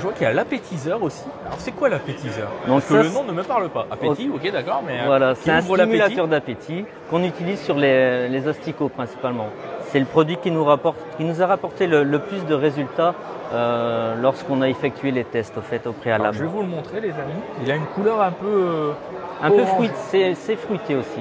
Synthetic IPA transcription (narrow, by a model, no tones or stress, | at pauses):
ʒəvwakialapet̪ʰizœʁosialɔʁsɛkwalapet̪izœːʁd̪ɔ̃ksəaənɔ̃nəməpaʁləpaʔapeiokʲed̪akɔʁmɛvwalasɛɛt̪ɛ̃slamylat̪œʁd̪apet̪ʰi | kɔ̃nyt̪ilizsyʁlelezɔst̪ikopχɛ̃si̥palmɑ̃sɛləpχɔd̪ɥikʲinuʁapɔʁt̪kʲinuzaʁapɔʁt̪elələplysd̪əʁezylt̪a | ølɔʁskɔ̃naefɛk̚t̪ʰɥelet̪ɛst̪ɔfɛt̪opχeala̰bʒvɛvulmɔ̃t̪χelezamiiljaynkulœʁɛ̃pø | ɛ̃pøfʁɥit̪sɛsɛfχɥit̪eosi